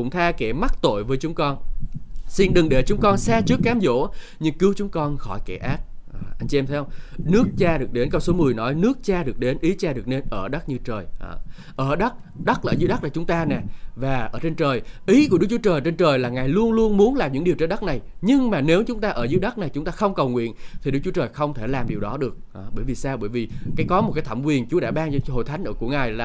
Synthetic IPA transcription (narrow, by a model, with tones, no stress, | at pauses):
kʊ̰˧˥ŋ͡mt̪ʰaː˧kɛ˧˩ma˦˥t̚t̪o̰˧˨jvəː˨˦jt͡ɕʊ˨˦ŋ͡mkɔ˧n | si˧nɗɨ˨˩ŋɗe˧˩t͡ɕʊ˨˦ŋ͡mkɔ˧nsaː˧t͡ɕɨ˦˥əkːaː˨˦mzo̰˧˥ɲɨ˧ŋkɨ˨˦əwt͡ɕʊ˨˦ŋ͡mkɔ˧nxɔ˧˩jkɛ˧˩ʔaː˦˥k̚ːʔa˧jŋ̟t͡ɕi˧ɛ˧mt̪ʰɛ˧˦hŋ͡mnɨ˦˥ək̚t͡ɕaː˧ɗɨ˨˩ək̚ɗe˨˦nkə˧wŋ͡mso˨˦mɨ˨˩əjnɔ˨˦jnɨ˦˥ək̚t͡ɕaː˧ɗɨ˨˩ək̚ɗe˨˦nʔi˨˦t͡ɕaː˧ɗɨ˨˩ək̚ne˧nʔəː˧˩ɗə˦˥k̚ɲɨ˧t͡ɕəː˨˩j | ʔəː˧˩ɗa˦˥t̚ | ɗa˦˥k̚laː˨˩zɨ̰˨˦jɗa˦˥k̚laː˨˩t͡ɕʊ˨˦ŋ͡mt̪aː˧nɛ˨˩vaː˨˩ʔəː˧˩t͡ɕe˧nt͡ɕəː˨˩jʔi˨˦ku˧˩əɨ˦˥k̚t͡ɕu˦t͡ɕəː˨˩jt͡ɕe˧nt͡ɕəː˨˩jlaː˨˩ŋaː˨˩jlu˧ənlu˧ənmu˨˦ənlaː˨˩mɲɨ̰˧˥ŋɗi˨˩əwt͡ɕe˧nɗə˦˥k̚na˨˩jɲɨ˧ŋmaː˨˩ne˨˦wt͡ɕʊ˨˦ŋ͡mt̪aː˧ʔəː˧˩zɨ̰˧˦˥ɗə˦˥t̚na˨˩jt͡ɕʊ˨˦ŋ͡mt̪aː˧xə˧wŋ͡mkə˨˩wŋwḭ˧˨ənt̪ʰi˨˩ɗɨ˦˥k̚t͡ɕu˨˦t͡ɕəː˨˩jxə˧wŋ͡mt̪ʰe˧˩laː˨˩mɗi˨˩əwɗɔ˨˦ɗɨ˨˩ək̚ːɓəː˧˩jvi˨˩saː˧wɓəː˧˩jvi˨˩kaː˨˦jkɔ˨˦mo˨˩kaː˨˦jt̪ʰə˧˩mkwi˨˩ənt͡ɕu˨˦ɗa̰ː˧˥ɓaː˧ŋt͡ɕɔ˧ho̰˧˨jt̪ʰa˨˦ŋʔəː˧˩ku˧˩əŋaː˨˩jlaː˨˩